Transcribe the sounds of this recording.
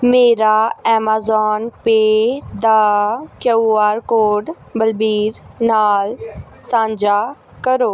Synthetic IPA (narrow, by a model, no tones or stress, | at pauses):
meːɾaɛːmaːzɔːnped̪aːkjɐaːɾkoːɖ | bɐlbiːɾnaːl | sãːɲd͡ʑa | kɐɾoː